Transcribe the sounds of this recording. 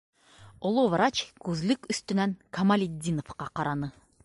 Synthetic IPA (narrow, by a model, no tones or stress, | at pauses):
olˠovɾat͡ɕkʉzlɘkɵ̆st̪ɵ̆næŋkʰɐmalʲɪd̪ʲːinofqɑqɑɾɑnɤ